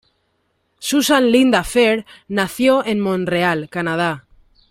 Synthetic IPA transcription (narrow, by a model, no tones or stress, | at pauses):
susanlind̪afeɾnaθjoʔenmõnrealkanað̞a